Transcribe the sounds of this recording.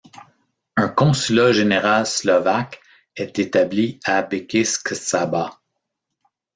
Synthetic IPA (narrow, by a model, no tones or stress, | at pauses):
ə̃kɔ̃sylaʒeneʁalslɔvak | ɛt̪et̪abliabekʲɪsksaba